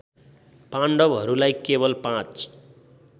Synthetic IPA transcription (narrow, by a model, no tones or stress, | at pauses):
paɳɖʌbɦʌɾulajkebʌlpãt͡s